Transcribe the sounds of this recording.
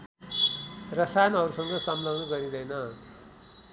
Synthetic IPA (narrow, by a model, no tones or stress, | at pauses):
rʌsajʌnʌɾusʌŋɡʌsʌmlʌɡnʌɡʌɾid̪ʌjnʌ